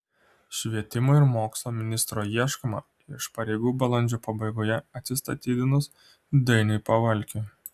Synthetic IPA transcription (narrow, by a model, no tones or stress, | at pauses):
ʃʲʋʲiɛt̪ʲɪmoɪɾmoːkslˠoːmʲɪnʲɪst̪ɾoːjiɛʃkɐmɐ | ɪʃpɐɾʲɛɪɡuːbɐlˠɐnʲd͡ʒʲuːpɐbɐɪɡoːjɛɐt̪ʲsʲɪst̪ɐt̪ʲiːd̪ʲɪnʊs | d̪ɐɪnʲɐɪpɐʋɐlʲkʲʊ